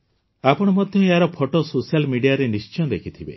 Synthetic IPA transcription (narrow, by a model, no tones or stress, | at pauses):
apɔɽ̃ɔmɔd̪ʱjɔeɦaɾɔpʰɔʈɔsosijalmiɖijaɾenist͡ʃiɔ̃d̪ekʰit̪ʰibḛ